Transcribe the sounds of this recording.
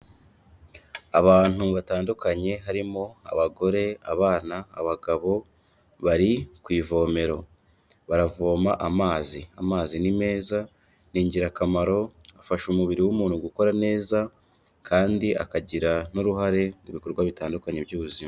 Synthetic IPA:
aβaːn̥uβataːndukaɲe̞ɦaɾimo̞a̰βaɡo̞ɾe̞aβaːna̰ːβaɡaβo̞ | βaɾikwiːvo̞ːme̞ɾo̞ | βaɾavo̞ːmaʔamaːziamaːzinime̞ːza | niːɲɟiɾakamaɾo̞afaʃumuβiɾiwumuːnhuɡuko̞ɾane̞ːza | kʰaːndiʔa̰kaɟiɾanoɾuɦaɾe̞muβikoɾuɡwaβitaːndukaɲe̞bjuːβuzima

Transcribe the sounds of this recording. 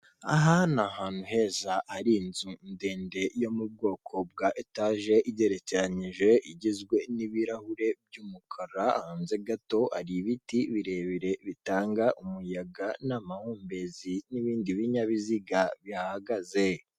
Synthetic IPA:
a̰ɦanahaːn̥huɦe̞ːzahaɾinzunde̞ːnde̞jo̞mub̚ɡo̞ːkʰo̞b̚ɡaʔetaːʒe̞ʔiɟe̞ɾeceɾaɲiʒe̞ʔiɟizɡwe̞niβiɾahuɾe̞b̚juːmukʰaɾaa̰haːnze̞ɡato̞a̰ɾiβitiβiɾe̞ːβiɾe̞βitaːŋɡaʔumujaɡanamahoːmbe̞ziniβiːndiβiɲaβiziɡaβiahaɡaze̞

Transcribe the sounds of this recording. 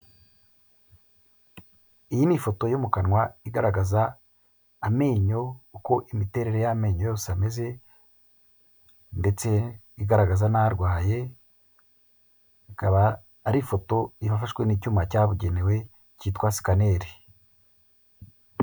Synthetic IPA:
ijinifoto̞jomukanŋwaiɡaɾaɡazaː | me̞ːɲo̞uko̞ʔimite̞ɾe̞ɾe̞jame̞ːɲo̞jo̞ːsame̞ze̞ | nde̞t͡se̞ | iɡaɾaɡazanaɾɡwaːje̞ | ikaβaː | ɾifo̞to̞iβafaʃkwenicuːmacaːβuɟe̞newe̞ | ciːtkwasi̥kane̞ɾi

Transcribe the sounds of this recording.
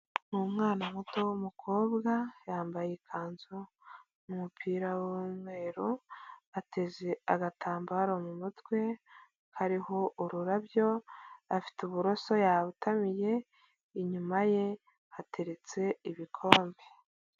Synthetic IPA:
mumŋaːnamuto̞womukʰo̞ːbɡajaːmbajekʰaːnzu | mumupʰiːɾawomŋe̞ːɾuate̞zeaɡatʰaːmbaɾomumutwe̞ | haɾiho̞ʔuɾuɾabjo̞afi̥tuβuɾo̞so̞jaβutamije̞ | iɲumaje̞ | hatʰe̞ɾe̞t͡se̞iβikʰo̞ːmbe

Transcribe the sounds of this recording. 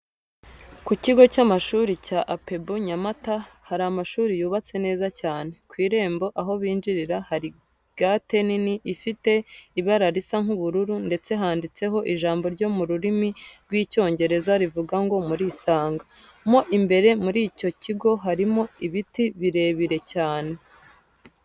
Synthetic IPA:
kuciɡo̞camaʃuːɾicaʔape̞buɲamatahaɾamaʃuːɾijuːβat͡se̞ne̞ːzacaːne̞kwiːɾe̞ːmbo̞ʔaɦo̞βiːnd͡ʒiɾiɾahaɾi | ɡ̥ate̞niniʔifite̞iβaɾaɾisaŋ̥huβuɾuɾunde̞t͡se̞ɦaːndit͡se̞ɦo̞ʔiʒaːmbo̞ɾɟo̞muɾuɾimiɾɡwiːco̞ːɲɟe̞ɾe̞zaɾivuɡaŋɡo̞muɾiːsaːŋɡa | mo̞ʔimbe̞ɾe̞muɾiːco̞ciɡo̞ɦaɾimo̞iβitiβiɾe̞ːβiɾe̞caːne̞

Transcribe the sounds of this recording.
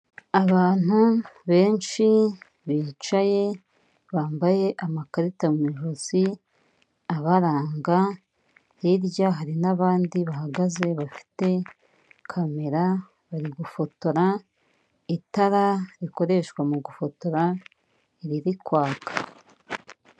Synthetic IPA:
aβaːn̥huβe̞ːnʃi | βiːt͡ʃaje̞ | βaːmbaje̞ʔamakaɾitamwiʒozi | aβaɾaːŋɡa | hiɾjaɦaɾinaβaːndiβahaɡaze̞βafi̥te̞ | kʰame̞ɾa | βaɾiɡufo̞to̞ɾa | itaɾaɾiko̞ɾe̞ʃkwamuɡufo̞to̞ɾa | iɾiɾikwaːkʰḁ

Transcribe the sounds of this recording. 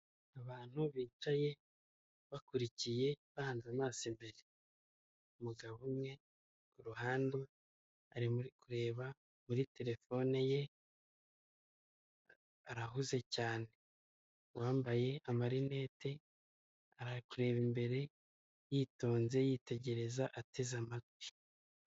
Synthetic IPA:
aβaːn̥huβiːt͡ʃaje̞ | βakuɾicije̞βahaːnzamaːsimbeɾe | umuɡaβumŋe̞ | kuɾuɦaːnde | aɾimuɾikuɾe̞ːβa | muɾite̞ɾe̞fo̞nije̞ | aɾaɦuze̞caːne̞ | waːmbaje̞amaɾine̞ːte̞ | aɾakuɾe̞βimbe̞ɾe̞ | jiːto̞ːnze̞jiːte̞ɟe̞ɾe̞zaʔatʰe̞zamaɡui

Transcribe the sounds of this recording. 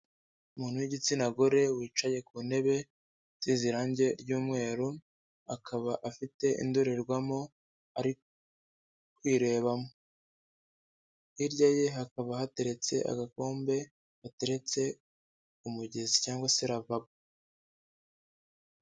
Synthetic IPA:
umuːnhuwiɟit͡sinaɡo̞ɾe̞wiːt͡ʃaje̞kune̞βe̞ | z̥iziɾaːɲɟe̞ɾɟuːmŋe̞ːɾu | akʰaβaʔafite̞ʔḭndoɾeɾɡwamo̞ | aɾik | kwiːɾe̞ːβamo | iɾɟaje̞ɦakaβahate̞ɾe̞t͡se̞ʔa̰ɡako̞ːmbe̞ | hate̞ɾe̞t͡se̞ | umuɟe̞zicaːŋɡwase̞ɾavab̚u

